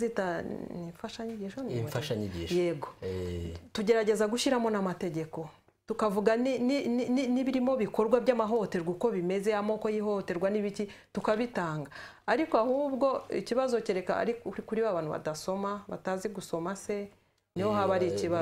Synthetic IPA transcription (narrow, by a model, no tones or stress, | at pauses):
zitaniɱfaʃaɲiɟiʃonifaʃaɲiɟḭʃje̞ɡoetuɟe̞ɾaɟe̞zaɡuʃiɾamo̞namate̞ɟe̞ko̞ | tukavuɡanininininiβiɾimo̞βiko̞ɾɡwabɟamaɦo̞te̞ɾɡuko̞βime̞zeamo̞ko̞jiɦo̞te̞ɾɡwaniβici | tukaβitaːŋɡaː | ɾikoahuːbɡo̞ḭciβazo̞ciɾe̞ka̰ɾiikuɾiβaβaːnhuβa̰daso̞maβa̰taːziɡuso̞mase̞ | niho̞haβaɾiciβa